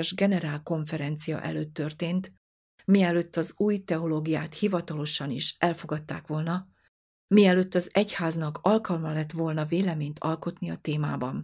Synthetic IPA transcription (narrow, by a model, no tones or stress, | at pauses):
ʒɡɛnɛɾaːlko̞ɱfɛɾɛnt̪sijɒ̰ʔɛ̰løːt̪ːø̞rt̪eːnt̪ | miɛløt̪ːɒzuːjt̪ɛoloːɡijaːt̪hivɒt̪ɒlo̞ʃɒniʃʔɛlfoɡɒt̪ːaːkʋo̞lnɒ | miɛlø̞t̪ːɒzɛchaːznɒkɒlkɒlmɒlɛt̪ːʋo̞lnɒveːlɛmeːɲt̪ʰɒlko̞t̪niɒt̪eːmaːbɒn